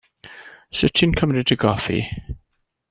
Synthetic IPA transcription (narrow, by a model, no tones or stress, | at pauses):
sɪtʰɪ̃nkʰəmnɪtʰəɡɔfḭ